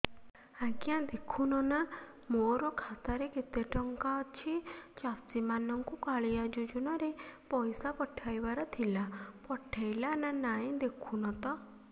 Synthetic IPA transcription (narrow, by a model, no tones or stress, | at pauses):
akiãd̪ekʰunɔna | moɾɔkʰat̪aɾeket̪eʈɔŋkat͡ʃʰit͡ʃast̪imanɔŋkukaɭijad͡ʒud͡ʒunɔɾepɔjsapɔʈʰajbaɾɔt̪ʰilapɔʈʰajlananaĩd̪ekʰunɔt̪ɔ